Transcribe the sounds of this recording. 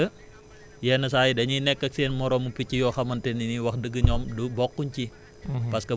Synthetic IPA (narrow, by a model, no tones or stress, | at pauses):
ə | janəsaidaɲinɛkːək̚siənmɔɾɔmupit͡ʃijokamant̪ɛniniwakdəɡəɲɔmdubɔkːuɲt͡ʃi | paskə